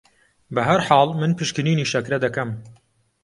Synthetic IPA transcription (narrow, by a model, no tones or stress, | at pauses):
bɐɦɐɾħɑːlmɨnpʰɨʃkɨniːniʃɐkɾɐd̪ɐkɐm